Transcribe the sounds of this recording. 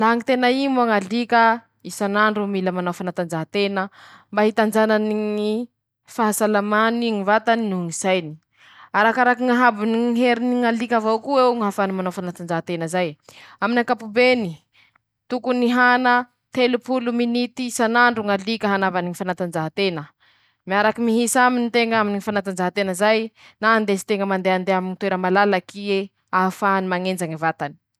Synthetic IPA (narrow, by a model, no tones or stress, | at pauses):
laɦaŋit̪enaimoaŋalikʲə | isanaɳɖ͡ʐumiləmanawfanat̪and͡ʒaɦat̪enəmbaɦit̪and͡ʒananiŋi | faɦasalamaniŋivat̪aninuŋisajni̥ | aɾakaɾakiŋaɦabiniŋɦeɾiniŋalikʲavowkuewŋɦafanimanawfanat̪and͡ʒaɦat̪enəzajaminakapubeni | t̪ukuniɦanə | t̪elupuluminit̪isanaɳɖ͡ʐuŋalikəɦanavaniŋifanat̪and͡ʒaɦat̪enə | miaɾakimiɦisaminit̪eŋaminiŋifanat̪and͡ʒaɦat̪enəzaj | naand̪esi̥t̪eŋɡəmand̪eand̪eaminit̪weɾəmalalakie | aɦafanimaŋend͡ʒaŋavat̪ani̥